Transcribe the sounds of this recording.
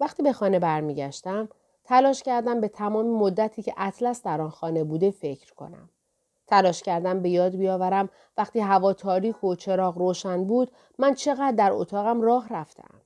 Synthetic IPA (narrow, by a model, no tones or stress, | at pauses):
væχt̪iːbe̞xɒːne̞bæɾmiːɟæʃt̪æm | t̪ʰælɒːʃcæɾd̪æmbe̞t̪ʰæmɒːmimo̞d̪ːæt̪ʰiːcʰe̞ʔæt̪ʰlæsd̪æɾɒːnxɒːne̞buːd̪e̞fe̞cʰɾkʰo̞̰næ̰m | t̪ʰælɒːʃcæɾd̪æmbe̞jɒːd̪̚bijɒːvæɾæm | væχt̪iːɦævɒːt̪ʰɒːɾiːkʰo̞t͡ʃʰe̞ɾɒːɣɾoːʃænbuːd̪ | mænt͡ʃʰe̞ɣæd̪̚ːæɾo̰t̪ʰɒːɣæmrɒːɦræft̪ʰe̞̰ʔæ̰m